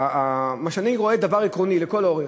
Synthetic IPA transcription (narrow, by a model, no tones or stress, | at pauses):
amaʃaniʁoe̞d̪avaʁikʁonileko̞loʁe